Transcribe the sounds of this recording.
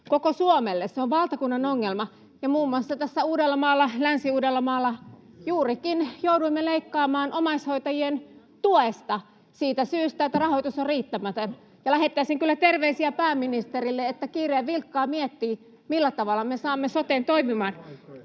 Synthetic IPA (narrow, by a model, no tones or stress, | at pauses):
kokosuomelːesseoʋʋɑlt̪ɑkunːɑnoŋːelmɑ | jɑmuːmːuɑsːɑt̪æsːæuːdelːɑmɑːlːɑlænsiuːdelːɑmɑːlːɑ | juːrikinjouduimːeleikːɑːmɑːnʔomɑishoit̪ɑjien | t̪uoest̪ɑ | siːt̪æsyːst̪æet̪ːærɑhoit̪usorriːt̪ːæmæt̪øn | jɑlæhet̪ːæiseŋkylːæt̪erʋeisiæpæːmːinist̪erilːeet̪ːækiːreːʋʋilkːɑːmiet̪ːiː | milːæt̪ɑʋɑlːˑɑmesɑːmːesot̪eːnt̪oimimɑːn